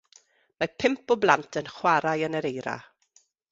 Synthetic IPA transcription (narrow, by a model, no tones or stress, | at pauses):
mapʰɪmpɔblˠantʰənχwaɾajənəɾejɾa̰